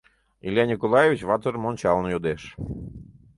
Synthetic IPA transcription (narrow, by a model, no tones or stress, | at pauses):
ḭlʲjɑnʲikolˠɑjevit͡ɕβɑt̪əɾmonʲt͡ɕɑlnojod̪eʃ